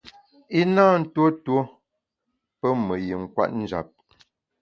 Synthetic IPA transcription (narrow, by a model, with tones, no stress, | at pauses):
i˦naː˦n̩˦two˦two˦ | pə˦mə˨ji˨ŋ̩˨kwa̰˦t̚n̩˦d͡ʒa̰˨p̚